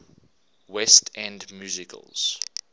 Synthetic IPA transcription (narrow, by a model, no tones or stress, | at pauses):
wɛstʰɛ̃ndmjuːzɪkʰə̰lˠz̥